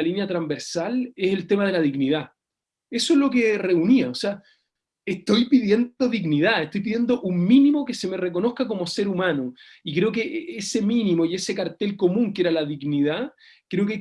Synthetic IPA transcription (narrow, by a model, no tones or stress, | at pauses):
alinjat̪ɾambe̞ɾsaleselt̪e̞maðe̞laðiɣnið̞a | e̞soelo̞kere̞uniaosea | eht̪o̞jpiðje̞noðiɣniðaeht̪o̞jp̬iðje̞nd̪oʔuŋminimo̞kese̞me̞reko̞no̞hkako̞mo̞se̞ɾumano | ikɾe̞o̞keʔese̞minimoie̞se̞kaɾt̪e̞lko̞mũŋkeɾalaðiɣniða | kɾe̞oke